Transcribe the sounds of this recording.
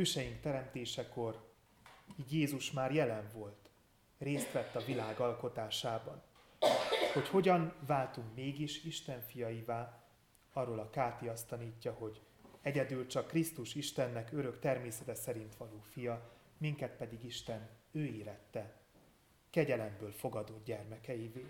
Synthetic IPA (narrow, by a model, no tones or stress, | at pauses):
øːʃɛjiŋk̚t̪ɛɾɛmt̪eːʃɛko̞r | iːd̪jeːzuʃmaːrjɛlɛɱvo̞lt̪ | reːst̪ʋɛt̪ːɒvilaːɡɒlko̞t̪aːʃaːbɒn | ho̞cho̞ɟɒnvaːlt̪uŋkmeːɡiʃiʃt̪ɛɱfijɒjivaː | ɒrːolɒkaːt̪iɒst̪ɒniːcːɒho̞ɟ | ɛɟɛd̪yːlt͡ʃɒkːrist̪uʃiʃt̪ɛnːɛkø̞ɾø̞kt̪ɛrmeːsɛt̪ɛsɛɾint̪ʋɒloːfijɒ | miŋkɛt̪pɛd̪iɡiʃt̪ɛnøːeːɾɛt̪ːɛ | kɛɟɛlɛmbøːlfo̞ɡɒd̪od̪ɟɛrmɛkɛjiveːl